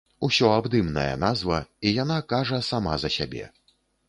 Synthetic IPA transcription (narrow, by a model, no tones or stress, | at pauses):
usʲɔabd̪ɨmnɐ̰jɐ̰nazvɐijanakaʐɐsama̰zɐsʲabʲɛ̰